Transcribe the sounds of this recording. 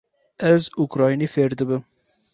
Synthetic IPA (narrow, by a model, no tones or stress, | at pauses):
ɛzukɾɑːjnefeɾd̪ɨbɪm